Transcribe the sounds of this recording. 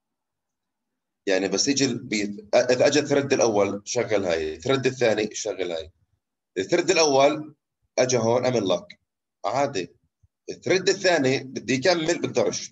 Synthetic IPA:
jaʕnibasːʔɪd͡ʒɪlbʔɪðʔad͡ʒat̪ɾˤɪd̪ːɪlʔawːalʃaɣːɪlha̰ːjθɾˤɪd̪ːɪθːaːniʃaɣːalhaːj | ʔɪðaθɾˤɪd̪ːɪlʔawːal | ʔad͡ʒaɦoːnʔamɪllak | ʕaːd̪i | ʔɪθɾˤɪd̪ːɪθːaːnibɪd̪ːijk̬amːɪlbɪk̚d̪ɑɾˤʃ

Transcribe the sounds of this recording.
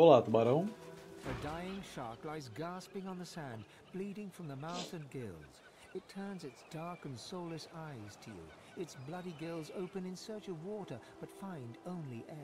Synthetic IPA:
olat̪maɾõ | ədaɪɪ̃ŋʃɑɹklaɪzɡæspɪ̃ŋə̃nðɨsæ̃n | b̥liɾɪ̃ŋfɹʌ̃mðəmaʊθɨ̃nɡɪ̰lˠz̥ | ɨtʰɜ̃˞nzɨtsd̥ɑɹkɨ̃nsoʊlɨsaɪz̥tʰɨjʉ̰ | ɨtsblʌɾiɡɪlˠzoʊpɨ̃nɨ̃nsɜ˞t͡ʃʌvwɔɾə˞ | b̥ʌtfãɪ̃ndõʊ̃nliʔɛ

